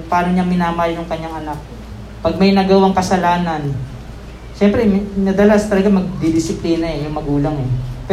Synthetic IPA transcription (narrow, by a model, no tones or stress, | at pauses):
paːnoɲamɪnaːmɐhaljʊŋkɐɲːaŋʔɐnak̚ | pɐɡ̚mɐjnaɡɐwaŋkɐsɐlaːnɐn | ʃɛmpɾɛmnɐd̪ɐlast̪ɐlɐɡamɐɡ̚d̪ɪd̪ɪsɪpliːnɐɛjʊŋmɐɡuːlɐŋɛpɛ